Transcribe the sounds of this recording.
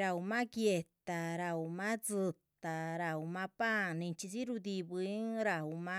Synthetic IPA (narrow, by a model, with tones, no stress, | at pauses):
ɾa˧u˧mã˦kje˧t̪a˨ɾa˧u˧mã˦t͡sɨ˧t̪a˨ɾa˧˨u˧mã˧pa˦nĩ˧nt͡ʃi˧si˦ɾu˧d̪i˧βɨ˧i˦ŋɾa˧u˧mã˦